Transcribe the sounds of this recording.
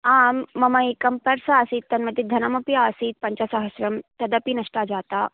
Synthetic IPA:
aːmːɐmɐikɐmpɐɾsɐaːsiːt̪t̪ːɐnmɐd̪ʱid̪ʱɐnɐmɐpijaːsiːt̪̚pɐɲt͡ʃasɐɦɐsɾɐmt̪ɐd̪ɐpinɐʂʈaːd͡ʒaːt̪aː

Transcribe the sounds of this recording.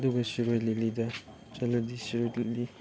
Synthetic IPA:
duɡɐsiɾojlilidɐ | t͡ʃɐlɐdisiɾojlidi

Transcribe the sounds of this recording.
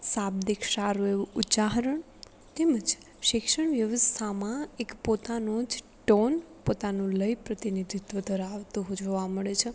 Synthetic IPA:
sabd̪ikʃaɾueʋuut͡ʃaɦɾəɳ | t̪eməd͡ʒ | ʃɪkʃəɳʋjəʋəst̪ʰamãekpot̪anõd͡ʒ | ʈonpot̪anũləjpɾət̪inid̪ʱit̪ʋəd̪ʱəɾaʋt̪uɦod͡ʒoʋaməɭet͡ʃʰe

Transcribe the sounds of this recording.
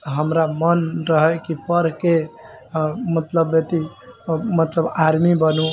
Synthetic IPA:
ɦəmɾamənɾəɦəkipəɾke | mət̪ləbet̪i | mət̪ləbaɾmibənu

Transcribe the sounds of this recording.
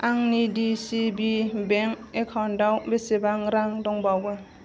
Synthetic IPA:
aŋnidisibibeŋkekʰawndawbesebaŋɾaŋdɔŋbawɡɯ

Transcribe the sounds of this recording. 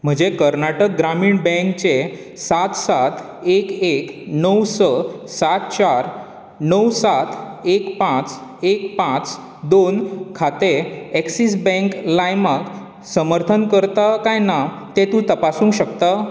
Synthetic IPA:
m̤əd͡ʑekəɾnaʈək̚ɡɾamiːɳbɛ̃ŋkt͡ɕe | sat̪sat̪ʰ | ekeknəwsəsat̪t͡ɕaɾ | nəwsat̪ʰekpãt͡sekpãt͡s | d̪onkʰat̪eɛksis̬bɛ̃ŋklajmak | səməɾt̪ʰənkəɾt̪akajna | t̪et̪ũt̪əpasũːɕəkt̪a

